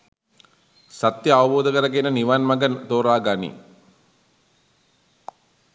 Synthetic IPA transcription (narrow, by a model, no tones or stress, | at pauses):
sat̪jəaʋɐboːd̪əkəɾəɡenəniʋanmaɡənt̪oːɾaːɡanḭ